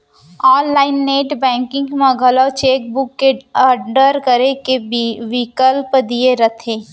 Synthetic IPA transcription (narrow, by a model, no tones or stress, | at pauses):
ɔːnlaːɪnːeːʈbɛ̃ːŋkɪ̃ŋɡmɐɡʱəlat͡ʃeːk̚bʊkːeəɖəɾkəɾekeʋɪkəlpd̪ijeɾət̪ʰẽː